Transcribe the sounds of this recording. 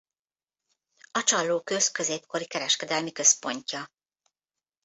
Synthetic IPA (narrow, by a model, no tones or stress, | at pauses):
ɒt͡ʃɒlːoːkø̞skø̞zeːp̚ko̞ɾikɛɾɛʃkɛd̪ɛlmikø̞spo̞ɲcɒ